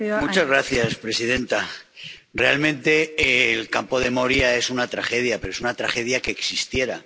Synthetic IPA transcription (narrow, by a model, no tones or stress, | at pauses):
mut͡ʃazɣ̞ɾaθjaspɾe̞sið̞e̞nt̪a | re̞a̰lmẽ̞nt̪e̞lkampo̞ðe̞mo̞ɾjae̞sunat̪ɾaxe̞ð̞jape̞ɾoe̞sunat̪ɾa̰xe̞ð̞jake̞ːksist̪je̞ɾa